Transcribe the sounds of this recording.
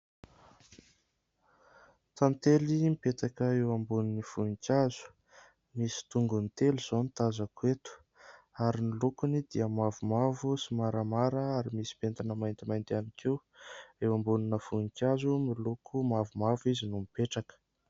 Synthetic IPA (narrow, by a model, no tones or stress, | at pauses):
t̪amit̪elimipet̪akəewambuniniv̥unikʲazu̥ | misi̥t̪uŋɡunit̪eluz̥ont̪azakwet̪u̥ | aɾimilukunid̪iəmavumavusimaɾamaɾəaɾimisi̥pent̪anəmajnt̪imajnt̪anikʰiw | ewambuninəv̥unikʲjazumilukʰumavumavizinumipeʈ͡ʂakə̥